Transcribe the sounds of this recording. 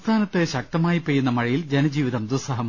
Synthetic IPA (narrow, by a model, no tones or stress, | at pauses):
st̪ʰaːnɐt̪ːeɕɐk̚t̪ɐmaːjipːejːunːɐmɐɻijild͡ʑenɐd͡ʑiːʋiðɐmd̪usɐɦɐm